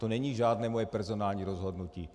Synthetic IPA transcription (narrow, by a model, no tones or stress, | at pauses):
t̪ɔɲɛɲiːʒɪaːd̪nɛːmɔjɛpɛɾzɔnaːlɲiɾɔzɦɔd̪nucḭː